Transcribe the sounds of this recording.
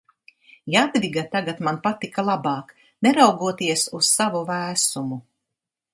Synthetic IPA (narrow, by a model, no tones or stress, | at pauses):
jad̪ɾiɡat̪aɡat̪manpat̪ikalˠabaːk | nɛɾawɡuɔt̪iɛsussavuvæːsumu